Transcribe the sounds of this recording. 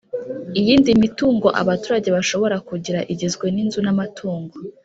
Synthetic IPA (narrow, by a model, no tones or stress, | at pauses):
ijiːndimituːŋɡo̞ʔa̰βatuːɾaɟe̞βaʃo̞βo̞ɾakuɟiɾaʔiɟe̞zɡwe̞ninzunamatʰuːŋɡo̞